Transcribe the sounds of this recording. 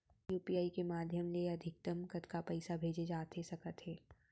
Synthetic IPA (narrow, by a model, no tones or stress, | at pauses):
juːpiːaːikemaːd̪ʱjəmleɐd̪ʱɪk̚t̪əmkɐt̪kapɐɪsabʱeːd͡ʒed͡ʒaːt̪ɦesɐkət̪ɦɛː